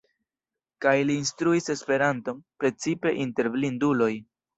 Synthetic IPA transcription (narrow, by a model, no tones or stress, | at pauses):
kajliːnstɾuise̞spe̞ɾanto̞npɾe̞t͡sipe̞ʔinte̞ɾblindulo̞j